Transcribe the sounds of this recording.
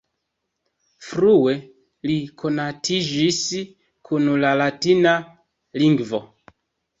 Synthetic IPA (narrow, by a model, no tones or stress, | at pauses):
fɾue̞ | likʰo̞natʰid͡ʒis | kʰunlalatina | liŋɡvo̞